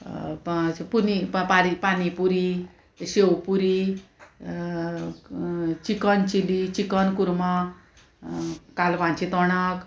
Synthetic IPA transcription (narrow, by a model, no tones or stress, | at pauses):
punipaɾipanipuɾi | ɕewpuɾi | t͡ɕikənt͡ɕilit͡ɕikənkuɾma | kalʋãnt͡ɕit̪ɔɳak